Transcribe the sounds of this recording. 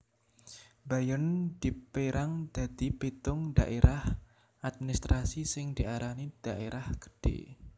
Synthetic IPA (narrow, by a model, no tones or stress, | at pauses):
bajənd̪̥ipeɾaŋd̪̥a̤d̪̥ipet̪ʊŋdaʔeɾʔah | ʔad̪̚minist̪ɾasisɪŋd̪iaɾanid̥aʔeɾʔahkə̥d̥ḛ